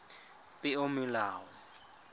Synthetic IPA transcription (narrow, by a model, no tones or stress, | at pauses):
pʼɪomɪlaːɔ